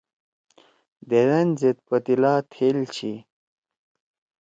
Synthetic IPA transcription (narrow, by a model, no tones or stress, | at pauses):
d̪eɾɐnzet̪̚pɐt̪ilaːt̪ʰelt͡ɕʰi